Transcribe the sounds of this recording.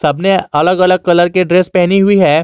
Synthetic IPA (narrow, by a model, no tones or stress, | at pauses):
səbneələɡələɡ̚kɐləɾkeɖɾespɛɦniɦuiɦɛ